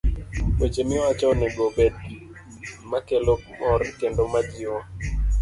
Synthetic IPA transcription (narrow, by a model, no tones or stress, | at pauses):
wet͡ʃemɪwat͡ʃɔnɛɡobed̚ | makelomɔɾkendomad͡ʒɪɔ